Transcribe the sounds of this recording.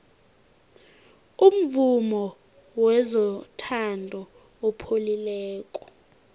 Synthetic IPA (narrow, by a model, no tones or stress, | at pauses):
um̩vumɔ | wɛzɔtʰandʱɔ | ɔpʰolilɛːkʼɔ̥